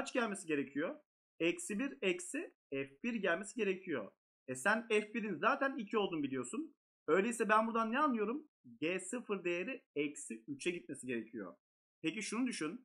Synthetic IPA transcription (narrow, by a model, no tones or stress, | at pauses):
at͡ʃɟælʲmesiɟe̞ɾecʰijo | ɛcsibiɾɛcsi | ɛfbiɾɟælʲme̞siɟe̞ɾecʰijo̰ | ɛsænɛfbiɾinzaːt̪ʰænilʲcʰio̞lˠd̪unbilʲijo̞sun | ø̞jlʲeisɛbænbuɾd̪anːɛanlːˠɯjo̞ɾum | ɟesɯfɯɾd̪e̞jeɾiɛcsiyt͡ʃʰɛɟit̪̚mesiɟeɾecʰijo̰ | pʰec̬iʃunud̪yʃyn